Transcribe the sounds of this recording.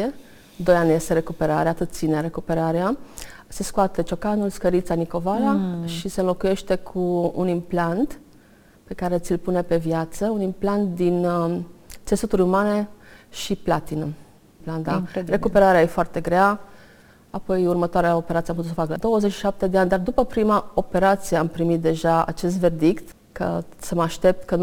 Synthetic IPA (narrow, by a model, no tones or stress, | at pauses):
e | d̪o̞janʲje̞st̪e̞ɾe̞kupe̞ɾaɾeat̪ɨt̪̚t̪sineɾe̞kupe̞ɾaɾea | se̞skoat̪ət͡ʃo̞kanulskəɾit̪saniko̞valaʃisenlo̞kuje̞ʃt̪e̞kʰuṵnimplant̪ | pe̞kaɾe̞ɨt̪sʲilpune̞pe̞vjat̪səunimplant̪̚d̪in | t̪se̞sut̪uɾʲumane̞ʃiplat̪inu | pland̪are̞kupe̞ɾaɾeajefoart̪e̞ɡɾea | apo̞jurmət̪oaɾeao̞peɾat̪sijamput̪usəfakəd̪o̞wəze̞t͡ʃʃi̥ʃap̚t̪e̞d̪eanʲd̪ard̪upəpɾimao̞pe̞ɾat̪sijeampɾimit̪̚d̪e̞ʒaa̰t͡ʃe̞s̬t̪ve̞rd̪ikt̪ | kə̰səməaʃt̪e̞p̚t̪kən